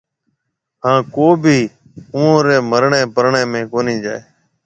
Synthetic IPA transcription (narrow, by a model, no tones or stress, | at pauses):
ɦãːkoːbʱiː | ũːõːɾeːməɾɳeːpəɾɳẽːmẽːkoːnĩːd͡ʒaːeː